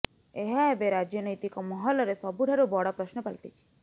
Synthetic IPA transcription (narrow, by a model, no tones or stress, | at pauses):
eɦaebeɾad͡ʒjɔnɔjt̪ikɔmɔɦɔlɔɾesɔbuɖʱaɾubɔɽɔpɾɔʃnɔpalʈ̪it͡ʃʰi̥